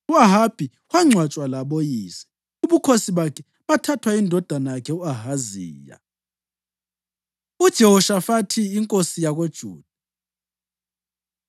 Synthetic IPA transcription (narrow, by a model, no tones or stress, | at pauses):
uaɦab̥ʱi | waŋ͡ǀʱwat͡ʃʼwalaβojiːsɛ̥ | uβukʰosiβakʰɛ | βatʰatʰwaindʱɔd̥ʱanajakʰɛuaɦaziːja̰ | ud̥ʒ̥ʱɛhɔʃafatʰiːŋkʼosijaɣod̥ʒ̥ʱuːd̥ʱa